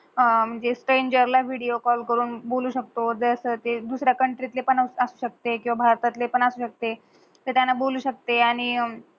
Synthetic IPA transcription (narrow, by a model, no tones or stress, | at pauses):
m̤əɳd͡zesʈɾeɲd͡ʑəɾlaʋ̤ʱiɽijokɔlkəɾuːnboluːɕək̚t̪od͡z̪əəsəːt̪ed̪usɾjakəɳʈɾit̪lepəɳəsuːɕək̚t̪ekĩw̃ʋabʱaɾt̪at̪lepəɳasuːɕək̚t̪e | t̪əɾt̪janːaboluːɕək̚t̪eaɽ̃i